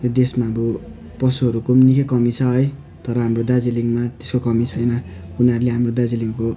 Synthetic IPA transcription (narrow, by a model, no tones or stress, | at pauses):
jod̪esmaʌbʌ | pʌsuɦʌɾukomnikekʌmit͡sʰʌɦʌj | t̪ʌɾʌɦamrod̪ad͡ziliŋmat̪e̥skokʌmit͡sʰʌjnʌuniʌɾuleɦamrod̪ad͡ziliŋko